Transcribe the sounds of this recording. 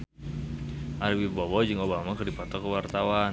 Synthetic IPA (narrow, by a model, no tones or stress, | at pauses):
ʔaɾwibɔwɔd͡ʒɨŋobamakərdipat̪ɔkəwart̪awan